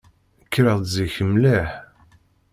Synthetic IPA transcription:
əkːɾəʁˤziçəmlæħ

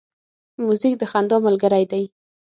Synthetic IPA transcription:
muzik̚d̪əxand̪ɑmʊlɡəɾajd̪aj

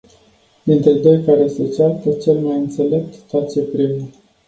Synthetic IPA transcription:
d̪int̪ɾe̞d̪o̞jkaɾe̞set͡ʃart̪ət͡ʃe̞lmajɨnt̪se̞le̞p̚t̪t̪at͡ʃepɾiwe

